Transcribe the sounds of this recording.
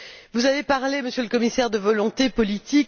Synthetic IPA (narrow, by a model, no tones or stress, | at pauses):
vuzavepaʁleməsjøləkɔmisɛʁd̪əvɔlɔ̃t̪epɔlit̪ik